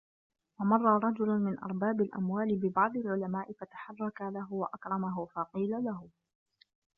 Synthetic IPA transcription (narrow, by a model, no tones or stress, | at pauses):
wamɑrˤːɑɾˤɑd͡ʒʊlʊmɪnʔɑ̰ɾˤbaːbɪlʔa̰mwaːlɪbɪbɑʕd̪ˤalʕʊlamaːʔɪfat̪ḁħɑrˤːɑkalaɦʊwaʔakɾˤɑmaɦʊfaqiːlalaɦʊ